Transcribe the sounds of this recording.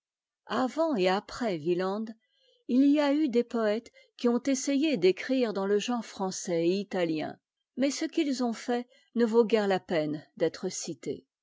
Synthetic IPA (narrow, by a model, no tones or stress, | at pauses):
avɑ̃eapχɛvilɑ̃d̪ | iliayd̪epɔɛt̪ | kʲiɔ̃t̪esejed̪ekχiʁd̪ɑ̃ləʒɑ̃ʁfχɑ̃sɛeit̪aljɛ̰̃ | mɛsəkilzɔ̃fɛ | nəvoɡʲɛʁlapɛnd̪ɛt̪χəsit̪ḛ